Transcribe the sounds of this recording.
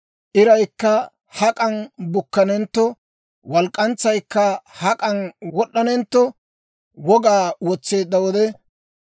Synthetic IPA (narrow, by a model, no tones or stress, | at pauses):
ʔɪɾɐjkːɐ | hɐkʼɐnbʊkːɐnɛnt̪ːɔ | wɐlkʼːɐnt͡sːɐjkːɐhɐkʼɐnwɔɗːɐnɛnt̪ːɔ | wɔɡaːwɔt͡sːe̞ːd̪ːɐwɔd̪ɛ